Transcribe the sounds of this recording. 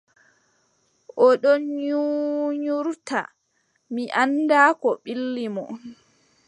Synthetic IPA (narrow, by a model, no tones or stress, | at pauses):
ʔɔɗɔnɲuɲuɾta̰ | miʔandaːkɔɓilːimɔ̰